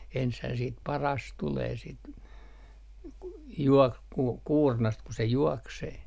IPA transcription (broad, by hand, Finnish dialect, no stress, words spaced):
enshæː siːt pɑrɑs tuleː sit juok ku kuːrnɑst ku se juɔkseː